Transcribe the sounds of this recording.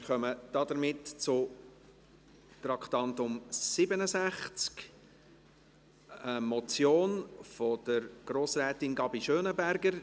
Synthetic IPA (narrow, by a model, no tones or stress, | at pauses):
mɪɾχœməd̥ɑdəɾmɪtt͡sʊ | t̪rɑkt̪ɑntʊmsɪbənəzæχt͡sk | əmɔt͡sjoːnfɔd̥əɾɡ̥ɾoːsrɛːtɪnɡɑbiʃøːnəbæɾɡəɾ